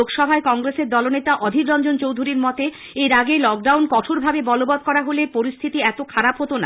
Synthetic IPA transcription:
okʃɔbʱaekɔŋɡɾeseɾd̪ɔlonet̪aʔɔd̪ʱikɾɔnd͡ʑont͡ɕowd̪ʱuɾiɾmɔt̪e | eɾaɡelɔk̚ɖawnkɔʈʰoɾbʱabebɔlobad̪̚kɔɾaɦolepoɾist̪ʰit̪iɛt̪okʰaɾapɦot̪ona

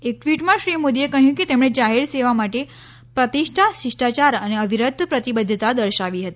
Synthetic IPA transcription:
ek̚ʈʋiʈmãʃɾimud̪iekəɦjũket̪emɽ̃ed͡ʒaɦeɾseʋamaʈe | pɾət̪iʃʈʰaʃiʂʈat͡ʃaɾəneəʋʱiɾəd̪pɾət̪ibəd̪ʱːət̪ad̪əɾʃaʋiɦət̪i

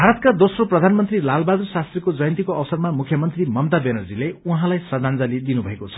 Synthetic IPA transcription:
bʱaɾʌt̪̚kad̪osroprʌd̪ʱanmʌnt̪rilalbad̪ursast̪rekod͡zʌjʌnt̪ikoʌwʌsʌrmamukʰjʌmʌnt̪rimʌmt̪abenʌrd͡zileuɦãlajsʌd͡z̪ʱand͡zalid̪inubʱʌekot͡sʰʌ̥

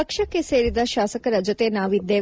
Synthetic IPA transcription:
ɐkʃɐkːe̞seːɾid̪ɐʃaːsɐkɐɾɐd͡ʒot̪e̞naːʋid̪ːeː

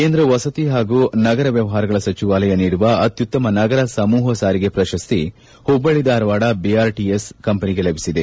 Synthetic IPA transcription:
keːnd̪ɾɐʋɐsɐt̪iɦaːɡuːnɐɡɐɾɐʋjɐʋɐɦaːɾɐɡɐɭɐsɐt͡ʃiʋaːlɐjɐniːɽuʋɐɐt̪jut̪ːɐmɐnɐɡɐɾɐsɐmuːɦɐsaːɾiɡe̞pɾɐʃɐst̪i | hubːɐɭid̪aːɾɐʋaːɽɐbiaːɾʈieskɐmpɐniɡelɐbʱisid̪e

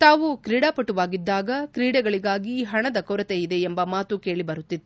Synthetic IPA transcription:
t̪aːʋukɾiːɽaːpɐʈːuʋaːɡid̪ːaːɡɐkɾiːɽɛɡɐɭiɡaːɡiɦɐɳɐd̪ɐkoɾɐt̪eid̪e̞ːmbɐmaːt̪uke̞ːɭibɐɾut̪ːid̪

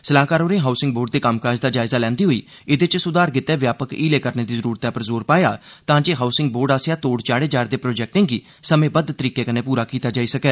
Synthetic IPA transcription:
səlaːkaːɾoːnẽːɦaːsɪŋɡboːɾɖd̪eːkamkaːd͡ʒd̪aːd͡ʒaːɪzaːlɛ̃ːnd̪iːɦoːiː | ɪd̪et͡ʃsʊd̪aːɾkɪt̪ːɛːʋjaːpəkiːleːkəɾneːd̪iːzəɾuːɾət̪ɛːpəɾzoːɾpaːja̰ːt̪ãːd͡ʒeːɦaːʊsɪ̃ŋɡ̚boːɾɖaːsjaːt̪oːɖt͡ʃaːɽeːd͡ʒaːɾd̪eːpɾoːd͡ʒɛːk̚ʈẽːɡiː | səmẽːbəd̪t̪əɾiːkeːkənẽːpuːɾaːkiːt̪aːd͡ʒaːiːsəkɛː

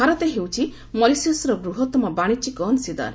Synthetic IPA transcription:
aɾɔt̪eɦewt͡ʃʰi | mɔlisiosɾɔbɾuɦɔt̪ɔmɔbaɽ̃it͡ʃikɔnsid̪a̰n

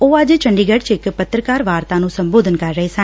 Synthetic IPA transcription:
oːəd͡ʒt͡ʃəɳɖiːɡəɖt͡ʃɪkpət̪ɾəkaːɾʋaːɾt̪ãːnũːsə̃mboːd̪ʱənkəɾːəɦesã

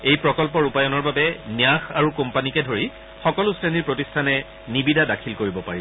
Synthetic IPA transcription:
ejpɹɔkɔlp̬ɔɹupajɔnɔɹbabɛnjaxaɹukompanikɛdʱoɹi | xɔkɔlʊseniɹpɹotistʰanɛ | nibidadakʰilkoɹibɔpaɹi

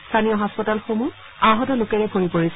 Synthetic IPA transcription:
stʰanijɔɦaspɔtalxomu | ãɦɔtɔlʊkɛɹɛbʱoɹipoɹisɛ

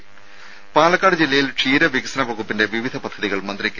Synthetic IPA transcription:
paːɭɐkːaːɽɐd͡ʑilːɐjilʂʰiːɾɐʋikisɐnɐʋɐɣupːinde̞ʋiʋid̪ʱɐpɐd̪ʱːɐðiɣɐɭmɐnd̪rikʲːɐ

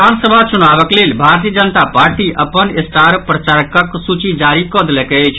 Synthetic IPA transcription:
ansəbʱat͡ʃunabəklelbʱaɾt̪̬ijəd͡ʒənt̪apaɾʈiʔəpənest̪ʰaɾpɾət͡ʃaɾkəksut͡ʃid͡ʒaɾikɔd̪lɛket͡ʃʰ

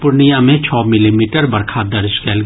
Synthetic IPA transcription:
pʊɾnijamẽt͡ʃʰɔːmɪlimiːʈəɾbɐɾkʰad̪ɐɾd͡ʒkɛːlɡ

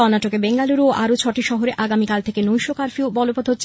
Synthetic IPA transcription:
ɔnaʈokebeŋɡaluɾoʔa̰ɾot͡ɕʰɔʈiʃɔɦoɾeʔaɡamikalt̪ʰekenojʃokaɾfiobɔlopod̪ʱɦotːɕʰ

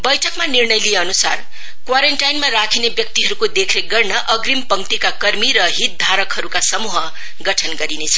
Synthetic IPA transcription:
bʌjʈʰʌkmanirnʌjlijeʌnusa̰r | kwaɾeɳʈajnmarakʰinebjʌk̚t̪iɦʌɾukod̪ekʰreɡʌrnʌʔʌɡrimpʌŋt̪ikakʌrmiɾʌɦit̪̚d̪ʱaɾʌkɦʌɾukasʌmuɦʌ | ɡʌʈʰʌnɡʌɾinet͡sʰʌ̥

